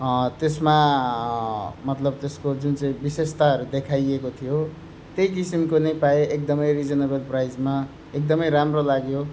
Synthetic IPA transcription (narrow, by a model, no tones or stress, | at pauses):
t̪esma | mʌt̪lʌb̚t̪eskod͡zunt͡sãĩbisest̪aʌɾud̪ekʰajekot̪ʰijo | t̪ejk̬isimkonʌjpaeʔek̚d̪ʌmʌjrid͡zʌnʌbelprajd͡zma | ek̚d̪ʌmʌjɾamrolaɡjo